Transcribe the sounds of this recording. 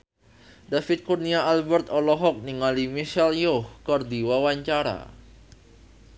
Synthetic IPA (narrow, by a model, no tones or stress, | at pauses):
dafit̪̚kurniaalbɛrt̪ɔlɔɦɔk̚niŋalimiʃɛljɔhkɔrdiwawaɲt͡ʃaɾa̰